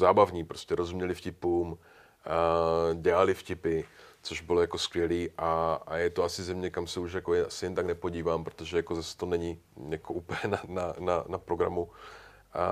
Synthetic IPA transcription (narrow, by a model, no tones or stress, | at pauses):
zaːbavɲiːpɾoscɛɾozumɲɛlɪfcɪpuːm | ɟɛlalɪfcɪpɪt͡soʒbɪlojako̞skvjɛliːʔaajɛt̪oasɪzɛmɲɛkamsɛuʃjakojɛasɪjɛnt̪aɡnɛpo̞ɟiːvaːmpɾot̪oʒɛjako̞zasɛ̥t̪onɛɲɪjakoʔuːpəɲɛnanananapɾo̞ɡɾamu